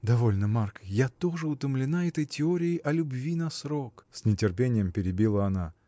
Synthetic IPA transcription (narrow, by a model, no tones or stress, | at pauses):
d̪ɐvo̞lʲnəmarkjat̪o̞ʐɨʊt̪əmlʲɪnaɛt̪əjtʲɪoɾʲɪɪʔɐlʲʊbvʲinɐsɾo̞ksʲnʲɪtʲɪrpʲenʲɪjəmpʲɪɾʲɪbʲilˠəɐna